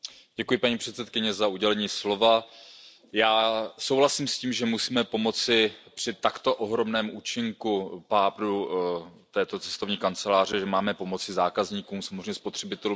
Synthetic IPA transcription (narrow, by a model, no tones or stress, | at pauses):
ɟ̥ɛkujɪpaɲipr̝̥ɛt̪sɛt̪kɪɲɛzauɟɛlɛɲiːslo̞va | jaːso̞wɦlasiːmsciːmʒɛmusiːmɛpo̞mo̞t͡sɪpr̝̥ɪt̪akt̪o̞ʔoɦɾo̞mnɛːmuːt͡ʃɪŋkupaːpɾu | t̪ɛːt̪o̞t͡sɛ̥st̪o̞vɲiːkant͡sɛlaːr̝ɛʒɛmaːmɛpo̞mo̞t͡sɪzaːkazɲiːkuːmsamozrɛɲɛspo̞t̪r̝̥ɛbɪt̪ɛlu